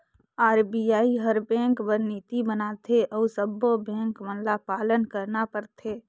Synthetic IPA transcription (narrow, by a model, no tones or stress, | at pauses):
aːɾbiaːiɦəɾbɛ̃ːŋkbəɾniːt̪ibənaːt̪ʰeʔɔːsəbːobɛ̃ːŋkmənlapaːlənkəɾnapəɾt̪ʰeː